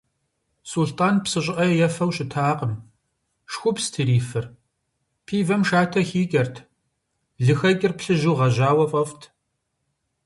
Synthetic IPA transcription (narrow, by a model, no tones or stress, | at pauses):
sultʰʼaːnpsɨɕʼʔɐjɛjɛfɐwɕʼɪtʰaːqəm | ʂxʷʊpstʰɨɾiːfɨr | pʰiːvɐmʃaːtʰɐxiːkʲʼɐrtʰ | ɮɨxɐkʲʼɪrpɬɨʒuːʁɐʑaːwɐfʼɐftʰ